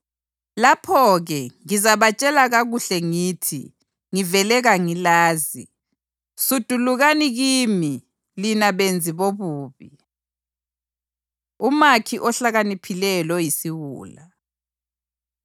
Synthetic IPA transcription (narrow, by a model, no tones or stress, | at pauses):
lapʰɔɣɛŋizaβat͡ʃʼɛlaɣaɣuɬɛŋiːtʰḭ | ŋivɛlɛɣaŋilaːzi | sud̥ʱuluɣaniɣiːmi | linaβend͡zʱiβoβuːβi | umakʰiʔɔɬaɣanipʰilɛlɔjisiɣṵːla